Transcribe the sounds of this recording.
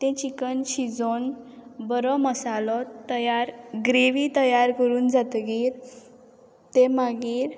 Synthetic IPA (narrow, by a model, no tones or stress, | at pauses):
t̪ẽt͡ɕikənɕid͡zonbəɾɔməsalɔt̪əjaɾɡɾeʋiːt̪əjaɾkəɾuːnd͡zat̪ɡiːɾ | t̪emaɡiːɾ